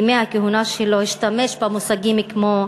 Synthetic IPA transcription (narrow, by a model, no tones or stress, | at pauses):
meakeɦunaʃeloiʃt̪ameʃbamusaɡimikmo